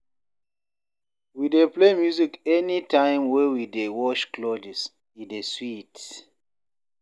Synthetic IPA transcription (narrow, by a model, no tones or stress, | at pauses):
wideplemjuzikɛnitʰãɪ̃mwɛwidewɔt͡ʃklod͡ʒis | ĩdeswit